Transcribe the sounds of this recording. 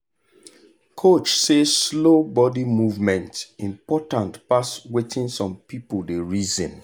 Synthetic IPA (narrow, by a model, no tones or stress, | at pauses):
kʰot͡ʃseslobɔdimuvmɛ̃ntĩmpɔtãntpaswetʰĩnsɔ̃mpipldeɹizɔ̃n